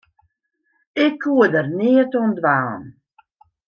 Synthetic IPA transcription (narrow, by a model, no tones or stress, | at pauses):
ɪkʰːuədərnɪətondʋaːn